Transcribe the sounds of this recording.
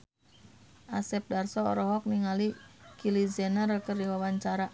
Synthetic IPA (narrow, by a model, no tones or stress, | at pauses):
ʔasɛp̚darsɔɔ̰ɾɔɦɔk̚niŋalikilizɛnaɾəkərdiwawaɲt͡ʃaɾa